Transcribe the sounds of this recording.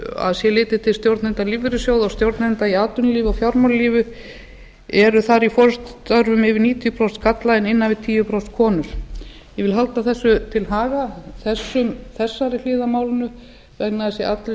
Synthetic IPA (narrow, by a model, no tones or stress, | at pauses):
a̰ðsjɛlɪːt̪ɪ̥t̪ʰɪlst̪jowɾt̪nɛnt̪aliːvʏɾʏsjowðawst̪jowɾt̪nɛnt̪aiaːt̪ʏnliːvawfjawɾmawlliːvʏ | ɛɾʏθaɾifɔɾʏst̪œɾvʏmɪvɪniːt̪ʰijʏpʰɾɔwst̪kʰat̪lajɪnɪnːavɪðt̪ʰiːjʏpɾowst̪kʰɔːnʏɾ̥ | jɛvɪlɦalt̪aθɛsːʏt̪ʰɪlɦaːɣaθɛsːʏmθɛsːaɾɪl̥ɪːðamaːwlɪnʏ | vɛk̚naðɪsjɛʔat̪ɾɪ